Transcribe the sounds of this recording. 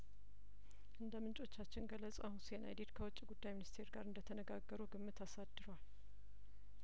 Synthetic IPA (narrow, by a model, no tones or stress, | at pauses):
ʔɨnd̪əmɨnt͡ʃʼo̞t͡ʃːat͡ʃːɪnɡəlːət͡sʼa̰hunsena̰jd̪e̞d̪kʰəwɔt͡ʃʼːiɡud̪ːajminist̪ʰe̞ɾɡaɾɨnd̪ət̪ʰənəɡaɡːəɾuɡɨmːɨt̪asad̪ːɨɾwal